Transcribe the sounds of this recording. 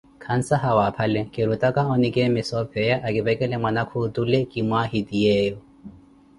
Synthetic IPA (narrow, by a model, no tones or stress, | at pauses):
kʰan̩saɦawapʰalɛkʼɪɾutʼakʼaɔnɪkʼɛmɪsɔpʰɛjaʔakʼɪbɛkʼɛlɛmwanakʰʊtulɛkʼɪmwahidiɛːjɔ